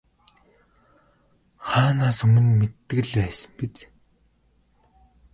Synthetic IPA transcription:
χaːnaːsɵmɵ̆nmet̪ːɘ̆ɣ̆ɮpæːsə̥̆mpit͡ɕ

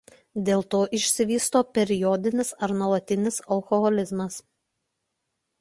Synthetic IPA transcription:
d̪ʲeːlˠt̪oːʔɪʃʲsʲɪʋʲiːst̪oːpʲɛɾʲɪjɔd̪ʲɪnʲɪsɐɾnuɔlˠɐt̪ʲɪnʲɪsɐlˠkɔɣɔlʲɪzmɐs

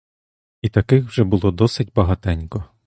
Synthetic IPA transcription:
it̪ɐkɪxwʒɛbʊlˠɔd̪ɔsɪtʲbɐɦɐt̪ɛnʲkɔ

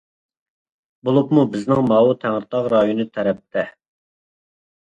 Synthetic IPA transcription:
bolˠupmubɪznɪŋmɑːwut̪ʰæŋɾɨt̪ɑʁɾɑjonɨt̪ʰɛɾɛp̚t̪ʰɛ

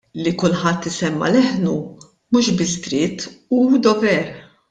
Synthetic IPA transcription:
lːikʊlħɐt̪ːɪsɛmːɐ̰lɛħnu | muːʃbɪsd̪ɾɪt̪ːud̪ɔvɛɾ

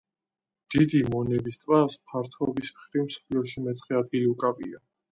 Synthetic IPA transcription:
d̪̥id̪imɔnɛbist̪ʼvaspʰaɾt̪ʰɔbismχɾimsɔ̥pʰliɔʃimɛt̪sʰʼχɛad̪ɡiliukʼapʼia

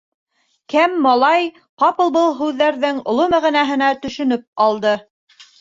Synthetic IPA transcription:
kæmːɑlˠɑj | qɑpɤlˠbɤlˠɦʉðːæɾðɘŋŏ̰lˠomæʁĭnæɦɘ̆næt̪ɵ̆ʃɵ̆nɵp̚ɑlˠd̪ɤ

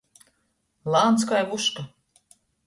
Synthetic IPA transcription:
lˠaːnt̪skajvuʃka

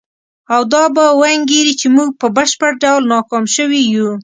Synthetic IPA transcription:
awd̪ɑbawaŋɡeɾit͡ʃemuɡ̚pəbəʃpəɽɖawlnɑkɑmʃəwiju

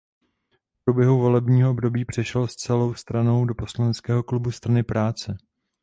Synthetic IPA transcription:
fpɾubjɛɦuvo̞lɛbɲiːɦoʔobdo̞biːpr̝̥ɛʃɛlst͡sɛlo̞wst̪ɾano̞wdopo̞slanɛt͡skɛːɦo̞klubust̪ɾanɪpɾaːt͡sɛ

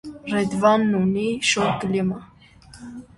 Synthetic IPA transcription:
rɛd̪vɑnːuniʃɔt̪klima

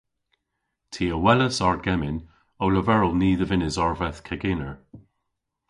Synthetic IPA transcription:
tʰiːəwɛləsaɹ̚ɡɛmɪn | owləvɛɹəlˠniːðəvɪnɪzɔɹvɛθkʰɛɡeːnəɹ

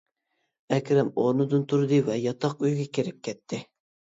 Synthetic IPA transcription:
ɛkʲɾɛmoɾnɨd̪ɨnt̪ʰuɾd̪ɨvɛjɑt̪ʰɑqyjɡʲɛkʲeɾɪp̚kʲʰɛt̪ʰːɪ

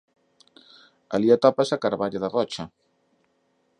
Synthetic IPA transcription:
aliat̪apasakaɾβaʎaðarɔt͡ʃa

